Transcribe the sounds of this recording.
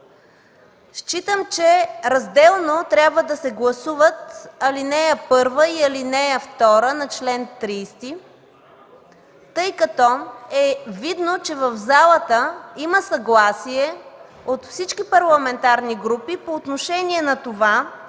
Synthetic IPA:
ʃt͡ʃit̪əmt͡ʃɛɾɐzd̪ɛlˠnot̪ɾʲabvəd̪ɐsɛɡlˠɐsuvət̪ɐlinɛɛpɤɾvəiɐlinɛəft̪ɔɾənɐt͡ʃlɛnt̪ɾiːst̪i | t̪ɤjkɐt̪ɔɛvid̪not͡ʃɛvəvzalˠət̪əiməsɐɡlˠasiɛ | ot̪fsit͡ʃk̟ipɐɾlˠɐmɛnt̪aɾniɡɾupipoːt̪noʃɛniɛnɐt̪ova

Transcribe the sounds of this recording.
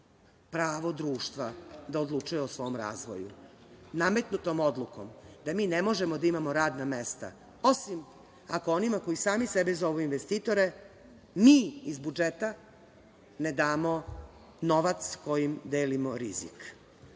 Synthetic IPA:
pɾaːʋo̞d̪ɾuːʃt̪ʋad̪aod̪lˠut͡ʃujeosʋo̞ːmɾa̰ːzʋo̰jṵname̞t̪nut̪omo̞d̪lˠuko̰md̪amiːnemo̞ʒemod̪aimamoɾaːd̪namest̪a̰ | o̞sim | ako̞onimako̞jisaːmisebezo̞ʋuinʋest̪iːt̪o̞ɾe̞ | miːizbud͡ʒet̪a | ned̪aːmo | no̞ʋat̪sko̞jimd̪eːlimoɾḭzḭk

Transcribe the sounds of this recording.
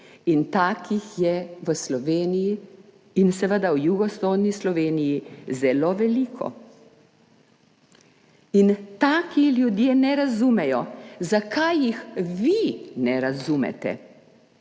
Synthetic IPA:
int̪aːkʰixjɛʋəslɔʋeːniji | insɛʋəd̪awjuɡɔsoːd̪nislɔʋeːnijizɛloːʋɛliːkʰɔ̰ | int̪aːkiljud̪jeːnɛɾazumɛjɔzakʰajːixʋinɛɾazumɛ̰t̪ɛ̰

